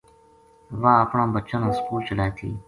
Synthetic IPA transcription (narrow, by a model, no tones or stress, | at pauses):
ʋaːəpɳãːbət͡ʃənãːskuːlt͡ʃəlaːjt̪ʰḭː